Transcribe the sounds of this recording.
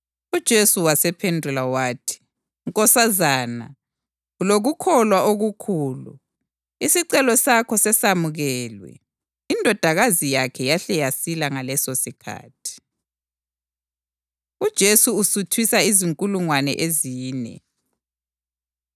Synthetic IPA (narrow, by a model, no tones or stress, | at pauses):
ud̥ʒ̥ʱesuwasɛpʰendʱulawaːtʰi̥ | uŋkʼɔsazaːna | uloɣukʰɔlwaʔoɣukʰuːlṵ | isiǀɛlɔsakʰɔsɛsamuɣɛːlwɛ̰ | indʱɔd̥ʱaɣazijakʰɛjaɬɛjasilaŋalɛsosikʰa̰ːtʰi̥ | ud̥ʒ̥ʱesuusutʰwisaiziŋkʼuluŋwanɛ̰ʔeziːnɛ̰